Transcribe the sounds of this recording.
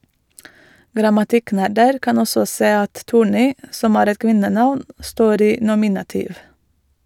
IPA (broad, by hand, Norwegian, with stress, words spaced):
ɡɾɑmɑˈtɪˌknæɾdəɾ ˈkɑn ˈɔsɔ ˈseː ˈɑt ˈtuːˌɳiː ˈsɔm ˈæːɾ ˈɛt ˈkʋɪnəˌnɑʋn ˈstoːɾ ˈiː ˈnʊmɪnɑtiːʋ